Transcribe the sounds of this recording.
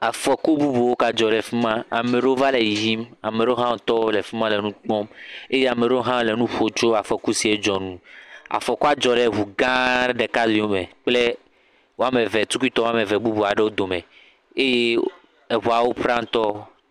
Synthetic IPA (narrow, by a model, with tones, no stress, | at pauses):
a˨fɔ˨ku˦bu˦bu˨wo˦ka˨d͡ʒɔ˨ɖe˨fi˦mã˦a˨me˨ɖe˦o˦va˦le˨ji˨vji˦ma˨me˨ɖe˦o˦ɦã˦o˨t̪ɔ˦le˨fi˦mã˦le˨nũ˦k͡pɔ̃˦me˦je˦a˨me˨ɖe˦o˦ɦã˦˨le˨nũ˦ɸo˦t͡ʃo˦a˨fɔ˨ku˦si˨e˦d͡ʒɔ˨nũ˦a̰˨fɔ˨ku˦a˦d͡ʒɔ˨ɖe˦˨ɦu˨ɡã˦ɖe˨ka˦zi˨wo˦me˨k͡ple˦ | wo˦a˦me˨ve˨t̪u˦ku˦i˦t̪ɔ˦wa˦me˨vɛ˨bu˦bu˨a˨ɖe˦wo˦d̪o˨me˨ | e˦je˦ | e˨ɦu˨a˨wo˦pɾã˦t̪ɔ˦